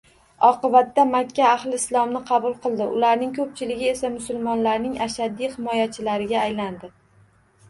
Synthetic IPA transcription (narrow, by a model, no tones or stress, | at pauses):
ɒqɨbat̪ːamakʲʰːaːhlɪɪslˠɒmnɪqʰɑbʊlˠqɨlˠd̪ɪʊ̰laɾnɪŋkʰɵp̚t͡ʃʰɪlɪɡʲɪe̞samʊsʊlˠmɒnlaɾnɪŋaʃad̪ihɪmɒjat͡ʃʰɪlaɾɪɡʲaːjland̪ɪ